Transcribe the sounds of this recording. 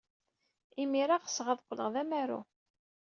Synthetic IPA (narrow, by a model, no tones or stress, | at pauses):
imiɾaʁə̥sːʁæðqʷːlə̰ʁðæmæɾṵ